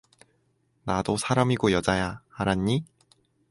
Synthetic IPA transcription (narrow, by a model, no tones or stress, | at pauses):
nadosʰaɾamiɡojʌd͡ʑajahaɾaɲːi